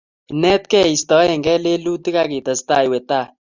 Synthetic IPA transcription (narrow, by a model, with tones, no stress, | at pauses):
i˨nɛ˦t̚kɛ˦˨i˨stɔ˨˦jɛ˨ŋɡɛ˦le˦lu˦ti˦ka˦ki˨ta˨sta˦˨i˨we˨ta˦˨